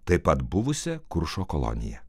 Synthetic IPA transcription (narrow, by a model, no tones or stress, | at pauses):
t̪ɐɪpɐt̪bʊʋʊsʲɛkʊɾʃoːkɔlˠɔ̰nʲɪ̰jɛ̰